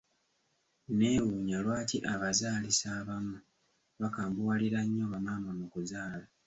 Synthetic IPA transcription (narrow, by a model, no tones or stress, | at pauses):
neːwuɲalwaːtiʔaβazaːlisaːβamu | βakaːmbuwaliɾaɲːoβamaːmamukuzaːla